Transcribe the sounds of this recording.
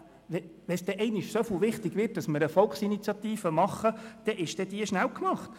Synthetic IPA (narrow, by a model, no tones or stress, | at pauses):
ʋɛʋɛsd̥ɛʔɛɪnɪʃsofɪlʋɪχtɪɡʋɪrt̚d̥ɑsməɾəfɔlksinit͡sjɑt̪iːfəmɑχːəd̥ɛʔɪʃd̥ɛd̥iəʃnæwkmɑχt